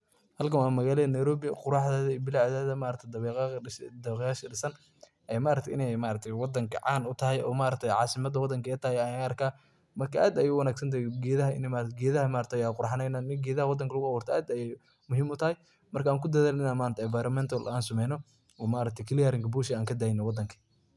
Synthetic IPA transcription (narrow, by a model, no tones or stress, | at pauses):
hɐlkɐwaːmɐɣaːlɐnɐjɾɔːβɪqʊɾɑħðɛːðɐiːbɪlɑʕðɛːðɐmaːɾɐt̪ʰɛd̪ɐβɛːqɑd̪ɐɛqjaːʃɐɖɪsɐn | ʔɛmaːɾɐkt̪ʰɛɪ̰nɛjmaːɾɐk̚t̪ʰɛjwɑd̪ɐŋkʰɐ̰ʕɑ̰ːnʊt̪ʰɐɦɛjɔːmaːɾɐk̚t̪ʰɛjʕɑːsɪmɐd̪ɐwɑd̪ɐŋkɛːt̪ʰɐhɛjɐjaɐrkʰaː | mɐrkʰɐʔaːd̪ɐjɛwɑnaːɡsɐnt̪̬ʰɐjɡɛːðɐɦɐɪ̰nɛmaɡɛːðɐhɐmaːɾɐt̪ʰːjaːqʊɾħɑnɛnaːmɪɡɛːðɐhɐwɑd̪ɐŋkʰɐlʊɣʊɐwɔrt̪ʰɔʔaːd̪ɐjɛj | mʊɦiːmʊt̪ʰɐhɛj | mɐrkʰɐaːŋkʰʊd̪ɐðaːlɪnaːnmaːnt̪ʰɐɛvajɾɐmɛnt̪ʰɐlaːnsɐmɛjnɔ | ɔːmaːɾɐk̚t̪ʰɛjkʰɐlɪjaɾɪŋkʰɐbuːʃɪaːŋkʰɐd̪aːjɪnɛwɑd̪ɐŋkʰɐ̥